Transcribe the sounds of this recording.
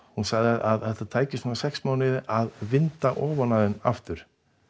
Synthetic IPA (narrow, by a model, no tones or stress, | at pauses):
hunsaɣðɪaðaðθɛht̪at̪ʰaːjcɪst̪nanasɛksmaːwnɪðaðvɪnt̪aʔɔːvanaðʏna̰ft̪ʏɾ̥